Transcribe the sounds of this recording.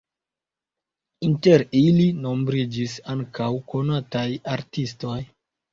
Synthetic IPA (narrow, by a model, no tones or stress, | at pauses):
inteɾilino̞mbɾid͡ʒisaŋkawko̞natajaɾtisto̞j